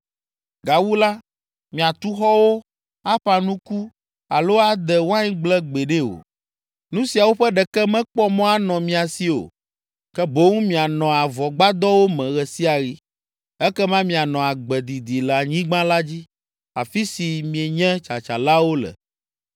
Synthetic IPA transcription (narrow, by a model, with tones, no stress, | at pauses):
ɡa˨wu˦la˦ | mĩ˨a˨t̪u˦xɔ˦wo˦ | a˦ɸa˨nũ˦ku˦ | a˨lo˦a˦d̪ɛ˨wã˦ɲĩ˦ɡ͡blɛ˦ɡ͡bɛ˨ɖe˦o̰˨ | nũ˦si˨a˨wo˦ɸɛ˦ɖɛ˨kɛ˦mɛ̃˦k͡pɔ˦mɔ̃˦a˦nɔ̃˨mĩ˨a˨si˦o̰˨ | kɛ˦bo˦ŋũ˦mĩ˨a˨nɔ̃˨a˨vɔ˨ɡ͡ba˦d̪ɔ˦wo˦mɛ̃˨ɣɛ˨si˦a˨ɣi˦ | ɛ˦kɛ˦mã˦mĩ˨a˨nɔ̃˨a˨ɡ͡bɛ˨d̪i˨d̪i˨lɛ˨a˨ɲĩ˦ɡ͡bã˦la˦d͡ʑi˦ | a̰˨fi˦si˨mĩ˨e˨ɲɛ̃˦t͡ʃa˨t͡ʃa˨la˦wo˦lɛ̰˨